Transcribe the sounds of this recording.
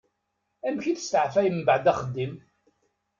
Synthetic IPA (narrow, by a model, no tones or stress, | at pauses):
æmçiθst̪əʕfæjəmbəʕd̪æχəd̪ːim